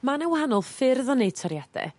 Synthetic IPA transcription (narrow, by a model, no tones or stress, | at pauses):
manɛwahanɔlˠfɪrðɔnej̚tʰɔɾjad̥ɛ̰